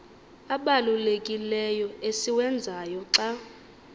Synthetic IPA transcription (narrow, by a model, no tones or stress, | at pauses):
aɓalulekʼilɛjɔesiwɛnd͡zʱajɔǀa